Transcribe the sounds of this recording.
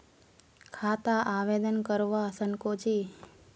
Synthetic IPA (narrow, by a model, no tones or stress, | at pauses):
kʰaːt̪aʔaʋed̪ənkəɾʋasəŋkod͡ʒi